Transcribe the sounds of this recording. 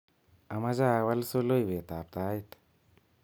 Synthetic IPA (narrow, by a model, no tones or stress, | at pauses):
amad͡ʒawalsolojbet̪ap̚t̪ajt̪